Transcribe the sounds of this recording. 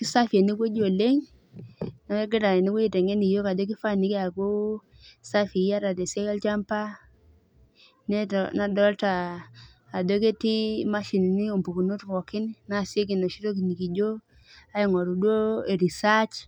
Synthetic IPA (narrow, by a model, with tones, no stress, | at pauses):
ki˦sa˦fe˨ni˦ko˦d͡ʒo˨le˦ŋ | na˦e˦ɡɪ˦ɾa˨ɛ˨ni˦ku˦i˨tɛ˨ŋe˦ni˨jo˦ka˨do˦k̬i˦fa˦˨ni˨˦ke˦a˨ku˦ | sa˦fi˨˦a˦ɾa˨dɛ˨se˦ka˦lt͡ʃa˦mpa˦ | nɛ˦na˨dɔ˦ltaː˨ | do˦k̬e˦ti˦ma˦ʃi˨ni˨ni˦o˨mpu˨ku˨no˦tkɔ˨kɪ˦n˦na˦˨sje˦k̬i˨no˨ʃi˦to˦k̬i˨ni˨ki˨d͡ʒo˦ | a˦i˨ŋɔ˨ɾu˨dwo˦e˨ɾi˨sa˦t͡ʃ